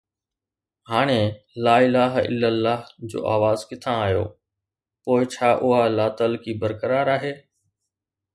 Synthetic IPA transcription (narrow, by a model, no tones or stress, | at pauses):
haːɽ̃ẽ | laːɪlaːɦɪ̰lːəlːaːɦd͡ʑo̰ːʔa̰ːʋaːzkɪt̪ʰãːɦjo̰ː | poːɪt͡ɕʰaːʔʊɦalaːt̪əlkiːbəɾkəɾaːɾaːɦeː